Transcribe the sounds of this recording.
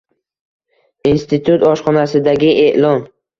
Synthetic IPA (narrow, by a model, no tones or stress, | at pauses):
inst̪ɪt̪ʰut̪ɒʃχɒnasɪd̪aɡʲɪʔeʔlɒn